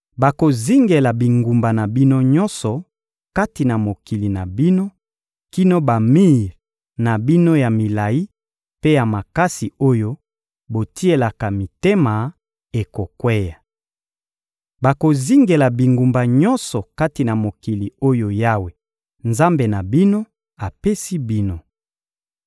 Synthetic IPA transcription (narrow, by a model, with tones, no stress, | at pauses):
ba˨ko˨zi˦ŋɡe˨la˨bi˨ŋɡu˨mba˨na˨bi˦no˦ɲɔ˦nsɔ˨ | ka˦ti˨na˨mo˨ki˨li˨na˨bi˦no˦ | ki˦no˦ba˨mi˦˨ʁ | na˨bi˦no˦ja˨mi˨la˨ji˦ | pe˦ja˨ma˨ka˦si˨o˦jo˦ | bo˨ti˦e˨la˨ka˨mi˨te˦ma˨ | e˨ko˨kwe˦ja˨ | ba˨ko˨zi˦ŋɡe˨la˨bi˨ŋɡu˨mba˨ɲɔ̃˦nsɔ˨ka˦ti˨na˨mo˨ki˨li˨o˦jo˦ja˦we˨ | nza˦mbe˨na˨bi˦no˦ | a˨pe˦si˦bi˦no˦